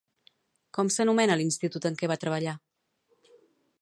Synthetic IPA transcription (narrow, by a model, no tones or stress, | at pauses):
kɔmsənumɛnəlinst̪it̪ut̪əŋkɛβat̪ɾəβ̞əʎa